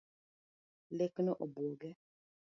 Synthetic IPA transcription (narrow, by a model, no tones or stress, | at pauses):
leknɔʔɔbwɔɡɛ